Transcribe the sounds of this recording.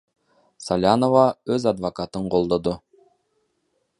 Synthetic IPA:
salʲanovɑɵzad̪vokat̪əɴqolˠd̪od̪o

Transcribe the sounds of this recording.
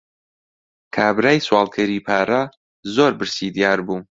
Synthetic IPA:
kʰaːbɾaːjswɑːlˠkʰɛɾiːpʰaːɾɐ | zoːɾbɨɾsiːd̪ijaːɾbuː

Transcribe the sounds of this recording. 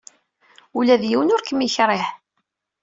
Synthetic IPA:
ulæðjiwənʊɾkəmːiçɾˤeħ

